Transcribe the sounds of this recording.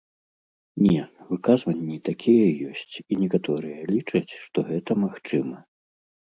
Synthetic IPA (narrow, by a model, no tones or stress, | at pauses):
nʲɛvɨkazvɐnʲːit̪akʲʰijɐjɔsʲt͡sʲinʲɛkat̪ɔɾɨjɐlʲit͡ʂɐt͡sʲʂt̪ɔɣɛt̪ɐmaxt͡ʂɨmɐ